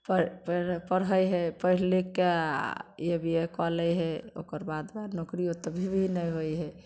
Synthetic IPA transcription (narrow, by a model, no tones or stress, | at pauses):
pəppəɾɦəjɦepəɦileke | jebʱiekɔləjɦɛo̰kəɾbad̪banokɾijot̪bʱibʱinəjɦojɦɛ